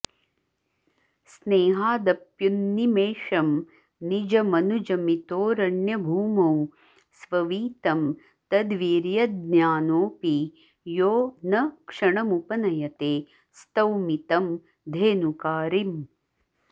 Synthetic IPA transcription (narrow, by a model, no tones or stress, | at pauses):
sneːɦaːd̪ɐpjunːimeːʂɐm | nid͡ʒɐmɐnud͡ʒɐmit̪oːɾɐɳjɐbʱuːmɐw | sʋɐʋiːt̪ɐm | t̪ɐd̪ʋiːɾjɐd̪̚njaːnoːpi | joːnɐkʂɐɳɐmupɐnɐjɐt̪eː | st̪ɐwmit̪ɐm | d̪ʱeːnukaːɾim